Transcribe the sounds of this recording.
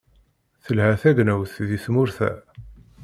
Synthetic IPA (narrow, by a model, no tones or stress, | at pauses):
θəlhæθæɡnæwθðismʊɾθæ̰